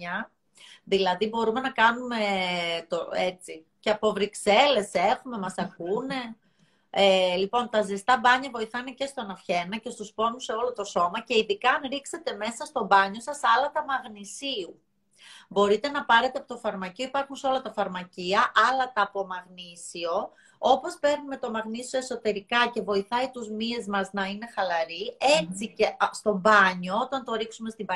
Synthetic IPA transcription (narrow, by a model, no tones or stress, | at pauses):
ɐ | ðilɐðibo̞ɾume̞nɐkɐnume̞t̪oe̞t͡si | ceɐpo̞vɾikse̞le̞se̞xume̞mɐsɐkune̞ | elipo̞nt̪ɐzest̪ɐbɐɲɐvo̞iθɐnece̞st̪onɐfçe̞nɐce̞st̪uspo̞nuseo̞lo̞t̪o̞so̞mɐce̞iðikɐːnɾikse̞t̪e̞me̞sɐst̪o̞bɐɲo̞sɐsɐlɐt̪ɐmɐɣnisiu | bo̞ɾit̪e̞nɐpɐɾe̞t̪eɐpo̞t̪ofɐɾmɐcio̞ipɐɾxunseo̞lɐt̪ɐfɐɾmɐciɐʔɐlɐt̪ɐpo̞mɐɣnisio̞ | o̞po̞spe̞ɾnime̞t̪o̞mɐɣnisio̞eso̞t̪e̞ɾikɐce̞vo̞iθɐit̪uzmie̞zmɐznɐine̞xɐlɐɾiet͡sicest̪o̞bɐɲo̞ot̪ɐnt̪o̞ɾiksume̞st̪ibɐ